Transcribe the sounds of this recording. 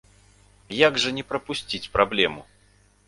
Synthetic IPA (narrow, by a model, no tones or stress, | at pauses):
jaɡʐɐnʲɛpɾɐpusʲt͡sʲit͡sʲpɾʔablʲɛmu